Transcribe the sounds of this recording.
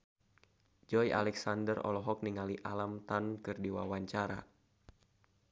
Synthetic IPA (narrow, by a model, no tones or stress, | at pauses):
d͡ʒɔja̰lɛksandərɔ̰lɔɦɔk̚niŋaliʔalamt̪ankɨrdiwa̰waɲt͡ʃaɾa̰